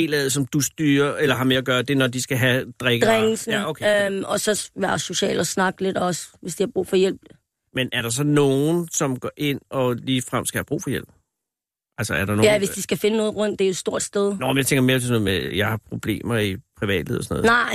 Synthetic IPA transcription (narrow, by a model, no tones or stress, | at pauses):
e̝̰ːlɛð̩ˠs̬ɒ̽md̥usd̥yːɐelɐɦɑ̈me̝ɐɐɡ̥ɶːɐd̥e̝nɒd̥isɡ̥æɦæd̥ʁɛɡ̥ʁaŋ̩snokʰmɒ̽sɒ̽ʋæɐso̝ɕɛ̰ːlɒsnɑ̈ɡ̥le̝d̥ɒsʋe̝sd̥ihɑ̈b̥ʁṵːfɒjel̰b̥ | menʔæɐɾ̥ɑ̈s̬ɒ̽no̝ːn̩sɒ̽mɡ̥ɒʔe̝n̰ɒ̽liːfʁam̰sɡ̥æhæb̥ʁṵːfɒ̽jel̰b̥ | ʔælsɒæɐɾɑ̈nojæʋe̝sd̥isɡ̥æfe̝nənɔ̽ːð̩ˠʁɔ̽n̰d̥ːejo̥sd̥o̝ɐ̰d̥sd̥eð̞ˠnɒmjaɪt͡sʰeŋɡɐmeːɐ̥d̥esnɔð̩ˠmejɑ̈ɪhɑ̈pʰʁo̝b̥le̝̰ːmɐipʰʁiʋɛ̰ːd̥lḭðˠsnɔð̩ˠnɑ̈ɪ̰